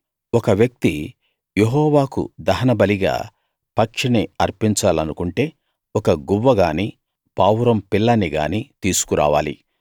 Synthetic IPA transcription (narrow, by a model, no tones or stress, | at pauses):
ɔkɐʋjɐk̚t̪i | jeɦɔːʋaːkṵd̪ɐɦɐnɐbɐliɡa̰ː | pɐkʂiniɐɾpiɲt͡ʃaːlɐnukuɳʈe̞ː | ɔkɐɡuʋːɐɡaːniː | paːwɾɐmpilːɐniɡa̰ːnit̪iːsu̥kuɾa̰ːʋaːlḭ